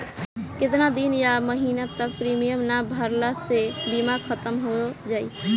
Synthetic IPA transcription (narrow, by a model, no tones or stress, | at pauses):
ket̪̬nad̪injaməɦinat̪ək̚pɾimijəmnabʱəɾlasebimakʰət̪əmɦod͡ʒaj